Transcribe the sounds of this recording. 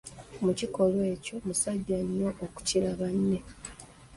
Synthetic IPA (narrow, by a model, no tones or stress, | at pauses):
muciko̞lwe̞ːco̞musaɟːaɲːoʔoku̥cilaβanːe̞